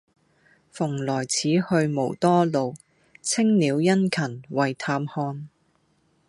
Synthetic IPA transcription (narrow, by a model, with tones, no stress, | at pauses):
fʊ˨˩ŋlɔː˨˩jt͡sʰiː˨˥hɵ˧ɥmo˨˩wt̪ɔː˥lo˨w | t͡sʰɪ˥ŋniː˨˧wjɐ˥nkʰɐ˨˩nwɐ˨jt̪ʰaː˧mhɔː˧n